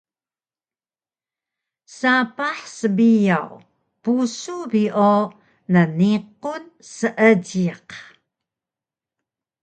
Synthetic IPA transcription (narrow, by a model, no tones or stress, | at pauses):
sapaħsəbijaw | pusubiʔo | nəniq̚unsəʔəɟiq